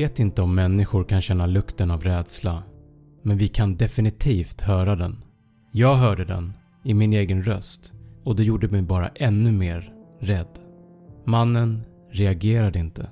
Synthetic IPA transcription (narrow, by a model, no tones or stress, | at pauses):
eːt̪ɪnt̪əɔmːɛnːɪɧʊɾkʰanɕɛnːalɵkt̪ənavɾɛːd̪sla | mɛnvɪkʰand̪ɛfɪnɪt̪ʰiːft̪hœːɾad̪ɛ̰n | jɑːɡɦœːɖəd̪ɛ̰n | ɪmɪneːɡənɾœst̪ɔd̪ɛjuːɖəmɛjbɑːɾa̰ʔɛnːɵmeːɾɾɛd̪ː | manːən | ɾɛaɡeːɾad̪əɪnt̪ə̰